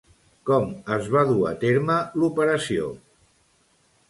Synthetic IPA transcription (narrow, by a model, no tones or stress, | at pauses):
kɔməzβaðua̰t̪eɾməlupəɾəsio̰